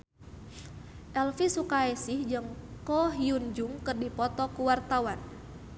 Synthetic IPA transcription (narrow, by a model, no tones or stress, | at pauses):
ʔɛlfisukaɛsɪhd͡ʒɨŋkɔɦiund͡ʒuŋkɨrdipɔt̪ɔkuwart̪awan